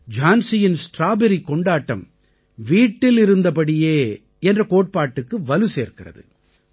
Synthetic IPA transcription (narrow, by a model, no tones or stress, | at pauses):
d͡ʒaːnsɪjɪnsʈɾaːbɛɾikɔɳɖaːʈːɐ̰m | ʋiːʈːɪlɪɾɯnd̪ɐpɐɽɪjeː | ɛndrɐkoːʈ̚paːʈːɯkːɯʋɐlɯseːɾkɪrɐ̰ðɯ̰